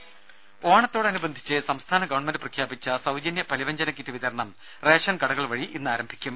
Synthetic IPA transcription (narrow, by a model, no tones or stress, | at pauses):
oːɳɐt̪ːo̞ːɽeɐnubɐnd̪ʱit͡ɕːɨsɐmst̪ʰaːnɐɡɐʋɐɳmendɨprɐkʰjaːbit͡ɕːɐsɐwd͡ʑɐnjɐpɐliʋɐɲd͡ʑɐnɐkːitːiʋiðɐɾɳɐm | reːʂɐnkɐɽɐɣɐɭʋɐɻiʔinːaːɾɐmbʱikʲːum